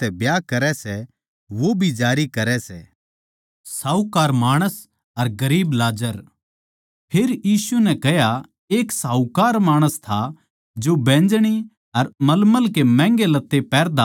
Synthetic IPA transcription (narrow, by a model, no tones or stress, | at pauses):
t̪ɛbjakɐɾɛsɛ | ʋobʱid͡ʒaːɾikɐɾɛsɛ | saːukaːɾmaːɽ̃əs | ɐɾɡɐɾiːblaːd͡ʒəɾ | pʰeɾjiːsunɛkɛɦja | eːksaːukaːɾmaːɽ̃əst̪ʰa | d͡ʒobɛ̃ːnd͡ʒɽ̃i | ɐɾmɐlməlkemɛ̃ːŋɡelɐt̪ːepɛːɾd̪a